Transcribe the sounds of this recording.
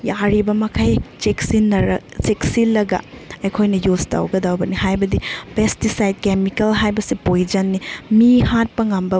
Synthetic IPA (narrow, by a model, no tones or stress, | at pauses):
jaɾibɐmɐkʰajt͡ʃeksinːɐɾɐt͡ʃeksilːɐɡɐ̰ejkʰojnɐjuzta̰wɡɐdawbɐnihajbɐdipestisajd̚kemikɐlɦajbɐsipojd͡ʒɐnːimihat̚pɐŋambɐ